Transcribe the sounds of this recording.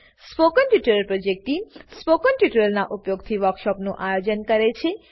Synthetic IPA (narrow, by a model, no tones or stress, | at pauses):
spokənʈuʈəɾəlpɾod͡ʒek̚ʈispokənʈjuʈəɾəlnaʔupjoɡt̪ʰiʋəɾkʃɔpnũʔajod͡ʒənkəɾet͡ʃʰe